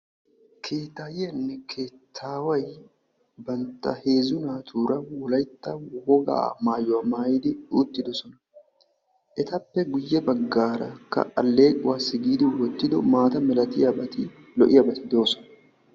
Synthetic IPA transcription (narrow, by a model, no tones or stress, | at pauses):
kʰe̞ːt̪ːaːjɪɐnːɛkʰeːt̪ʰːaːwɐj | bɐnt̪ːɐ̰he̞ːzʊnaːt̪ʰuːɾɐwɔlɐjt̪ːɐwɔɡa̰ːmaːjʊwaːmaːjɪd̪ɪᶑuːt̪ːɪd̪ɔsɔnɐ | ʔɛt̪ɐpːɛɡʊjːɛbɐɡːaːɾɐ̰kːɐ̰ʔɐlːe̞ːkʼʊwaːsɪɡiːd̪ɪwɔt̪ːɪd̪ʊmaːt̪ɐmɛlɐt̪ɪjɐbɐt̪ɪ | lɔʔɪjɐbɐt̪ɪd̪o̞ːsɔ̥nɐ̥